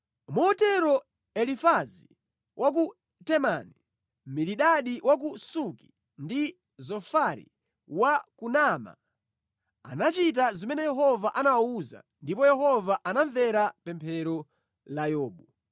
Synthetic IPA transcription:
mɔtɛɾɔ | ɛlifazi | wʔak̬u | tɛmani | miɾiɗaɗiwak̬usuki̥ | ndi | zɔfaɾḭ | wakunama̰ | a̰nat͡ʃit̬azimɛnɛjɛɦɔvaʔanawauza̰ | ndipɔjɛɦɔvaʔanaɱvɛɾapɛmpʰɛɾɔ | lajɔːɓu

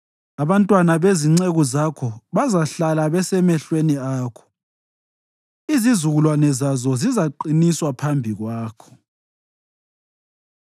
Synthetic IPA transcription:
aβantʼwanaβeziŋ͡ǀeɣɔzakʰɔβazaɬalaβɛsɛmɛɬweniaːkʰɔ̥ | izizuɣulwanɛzazɔzizaǃiniswapʰambʱiɣwaːkʰɔ̥

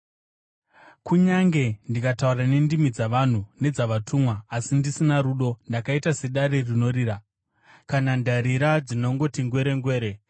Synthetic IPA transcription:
kuɲaŋɡe̞ndikataurane̞ndimid͡zaʋan̤une̞d͡zaʋatʰumwaːsindisinaɾuɗo̞ndakaitase̞ɗaɾirino̞riːɾa | kanandaɾiɾad͡zino̞ŋɡo̞tiŋɡwe̞ɾe̞ŋɡweːɾe̞

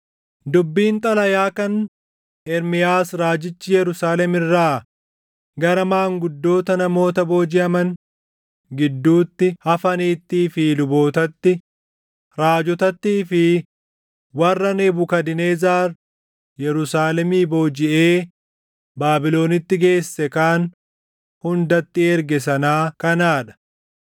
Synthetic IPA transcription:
d̪ʊbːiːnt̪ʼɐlɐjaːkɐn | ɛɾmɪjaːsɾaːd͡ʒɪt͡ʃːɪjɛɾʊsaːlɛmɪrːaː | ɡɐɾɐmaːŋɡʊd̪ːo̞ːt̪ɐnɐmo̞ːt̪ɐbo̞ːd͡ʒɪʔɐmɐn | ɡɪd̪ːuːt̪ːɪhɐfɐniːt̪ːiːfɪlʊbo̞ːt̪ɐt̪ːɪ | ɾaːd͡ʒɔt̪ɐt̪ːiːfɪ | wɐrːɐneːbʊkɐd̪ɪneːzaːɾ | jɛɾʊsaːlɛmiːbo̞ːd͡ʒɪʔeː | baːbɪlo̞ːnɪt̪ːɪɡe̞ːsːɛkaːn | hʊnd̪ɐt̪ːɪeːɾɡɛs̬ɐnaːkɐnaːᶑɐ̥

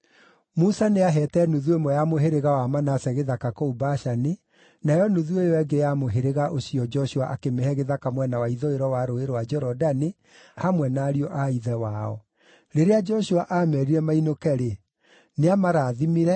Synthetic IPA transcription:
musaneaɦɛtɛnuðuemwɔjamoɦeɾeɣawamanasɛɣeðakakoubaʃani | najɔnuðuejɔɛɡejamoɦeɾeɣaʔosiɔd͡ʒɔʃuaʔakemehɛɣeðakamwɛnawaiðoeɾɔwaɾoeɾowad͡ʒɛɾɔdani | hamwɛnaːɾiɔʔaiðɛwaɔ̰ | ɾeɾead͡ʒɔʃuaʔamɛɾiɾɛmainokɛɾe | neamaɾaːðimiɾɛ

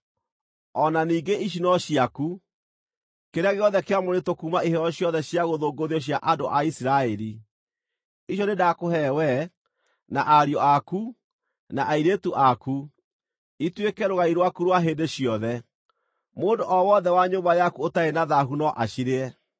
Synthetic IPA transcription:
ɔnaniːɡeʔiʃ̬inɔɕiaku | keɾeaɣeɔðɛkeamoɾetokumaiɦɛɾɔɕjɔðɛɕjaɣoðoːɡoðeɔɕ̬jaʔadoʔaisiɾaɛɾi | iɕjɔnedakoɦɛwɛ | naʔaɾjɔaku | naʔaiɾetuʔaku | itwekɛɾoɣaiɾwakuɾwaɦeːndeɕjɔðɛ | moːndoʔɔwɔðɛwaɲombajakuotaenaðaɦunɔʔaɕiɾeɛ

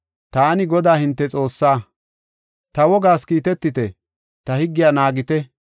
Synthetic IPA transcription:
t̪aːnɪɡɔd̪aːhɪnt̪ːɛt͡sʼo̞ːsːaː | t̪ɐwɔɡaːskiːt̪ɛt̪ːɪt̪ɛ | t̪ɐhɪɡːɪjaːnaːɡɪt̪ɛ

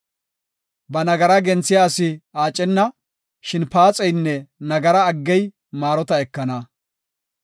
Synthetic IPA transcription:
bɐnɐɡɐɾɐɡɛnt͡sːɪjaːsɪaːt͡ʃʼːɛnːɐ | ʃɪnpaːt͡sʼɛjnːɛnɐɡɐɾɐːɡːɛj | maːɾɔt̪ɐɛkːɐnɐ

